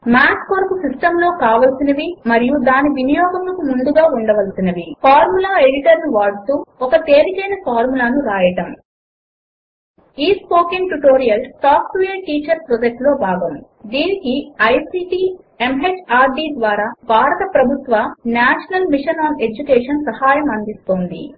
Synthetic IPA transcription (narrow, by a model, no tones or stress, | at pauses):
maːskoɾpusisʈɐmlo̞ːkaːʋɐlsinɐʋimɐɾijud̪aːniʋinijɔːɡɐmlɐkumund̪uɡaːuɳɖɐʋɐlsinɐʋipʰaːɾmulaːe̞ɽiʈɐɾnuʋaːɽut̪uːɔkɐt̪eːɾikɐjnɐpʰaːɾmulaːnuɾaːjɐʈɐm | iːspo̞ːkiŋʈuʈoːɾijɐlsaːpʈʋɛjɐɾʈiːt͡ʃɐɾpɾɔd͡ʒɐk̚ʈlo̞ːbʱaːɡɐm | d̪iːnikiɐjsiːʈiː | emɦet͡ʃaːɾɖiːd̪ʋaːɾaːbʱaːɾɐt̪ɐpɾɐbʱut̪ʋɐnaːʃɐnɐlmiʂɐnaːne̞d͡ʒukɛːʂɐnsɐhaːjɐmɐnd̪ist̪o̞ːnd̪ḭ